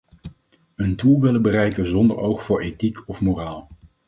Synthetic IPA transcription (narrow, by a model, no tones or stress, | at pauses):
əndulˠʋɪləbərɛjkənzɔndəɹowχfʊːɹejtikɔfmoraːlˠ